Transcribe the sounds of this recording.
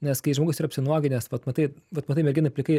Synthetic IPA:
nʲɛskɐɪʒmoːɡʊsiːɾɐpʲsʲɪnuɔɡʲɪnʲɛsʋɐt̪mɐt̪ɐɪʋɐt̪mɐt̪ɐɪmʲɛɾʲɡʲɪnɐpʲlʲɪkɐɪ

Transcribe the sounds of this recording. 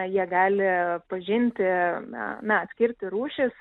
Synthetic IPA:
jiɛɡɑːlʲɪpɐʒʲɪnʲt̪ʲɪ̰ | nɐɐt̪sʲkʲɪrʲt̪ʲɪɾuːʃʲɪs

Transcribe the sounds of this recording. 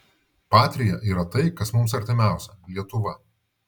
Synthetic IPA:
pɑːt̪ʲɾʲɪjɛʔiːɾɐt̪ɐɪkɐsmʊmsɐɾʲt̪ʲɪmʲæˑʊsʲɛlʲiɛt̪ʊʋɐ

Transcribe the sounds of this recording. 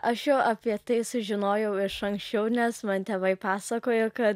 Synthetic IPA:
ʔɐʃjoːʔɐpʲiɛt̪ɐɪsʊʒʲɪnoːjɛʊɪʃɐŋksʲt͡ʃʲɛʊnʲɛsmɐnt̪ʲɛʋɐɪpɑːsɐkoːjʊkɐt̪

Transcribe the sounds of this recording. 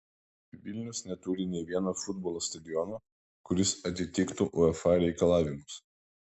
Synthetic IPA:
ʋʲɪlʲnʲɛʊsnʲɛt̪uːɾʲɪnʲɛɪʋʲiɛnoːfʊd̪bɔlˠoːst̪ɐd̪ʲɪjɔnoː | kʊɾʲɪsɐt̪ʲɪt̪ʲɪkt̪uʔɔɛfɑɾʲɛɪkɐlˠɑːʋʲɪmʊs

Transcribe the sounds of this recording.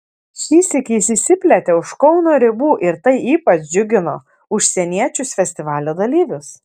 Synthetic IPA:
ʃʲiːsʲɪkʲiɪsʲisʲɪpʲlʲɛt̪ʲeːʊʃkɒʊnoːɾʲɪbuːʔɪɾt̪ɐɪiːpɐt͡ʃd͡ʒʲʊɡʲɪnoː | ʊʃʲsʲɛnʲiɛt͡ʃʲʊsfʲɛsʲt̪ʲɪʋɑːlʲoːd̪ɐlʲiːʋʲʊs

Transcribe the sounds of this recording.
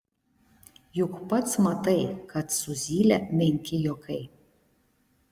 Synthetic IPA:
jʊkpɐt̪smɐt̪ɐɪkɐt̪sʊzʲiːlʲɛmʲɛŋʲkʲɪjɔkʰɐɪ

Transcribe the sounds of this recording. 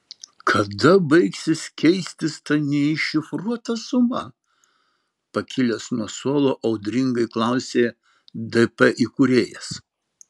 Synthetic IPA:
kʰɐd̪ɐbɐɪksʲɪskʲɛɪsʲt̪ʲɪst̪ɐnʲɛɪʃʲɪfɾuɔt̪ɐsʊmɐ̰ | pɐkʲɪlʲɛsnuɔsoːlˠoːʔɐʊd̪ʲɾʲɪŋɡɐɪklˠɑˑʊsʲeː | d̪ɛpɛʔikʊɾʲeːjɛs

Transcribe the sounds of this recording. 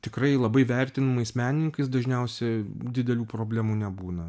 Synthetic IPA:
t̪ʲɪkɾɐɪlˠɐbɐɪʋʲæɾʲt̪ʲɪnɐmɐɪsmʲæːnʲɪnʲɪŋkɐɪsd̪ɐʒʲnʲɛʊsʲɛd̪ʲɪd̪ʲɛlʲuːpɾoːbʲlʲæːmuːnʲɛbuːnɐ

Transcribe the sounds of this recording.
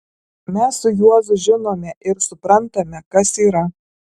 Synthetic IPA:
mʲɛsːʊjuɔzʊʒʲɪnoːmʲɛʔɪɾsʊpɾɐnt̪ɐmʲɛkɐsiːɾɐ

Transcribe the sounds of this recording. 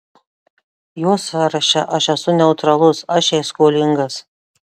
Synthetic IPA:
joːsɑːɾɐʃʲɛʔɐʃʲɛsʊnʲɛʊt̪ɾɐlˠʊsɐʃʲɛɪskoːlʲɪŋɡɐs

